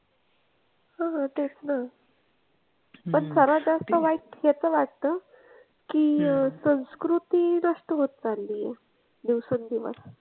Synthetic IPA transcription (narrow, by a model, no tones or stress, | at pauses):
hãɦãt̪et͡sna | pəɳsəɾad͡zast̪əʋaiʈɦat͡səʋaʈ̚t̪ə | kiːsə̃w̃skɾut̪inəʂʈəɦot̪̚d͡zalːiːjḛ | d̪iʋsund̪iʋə̰s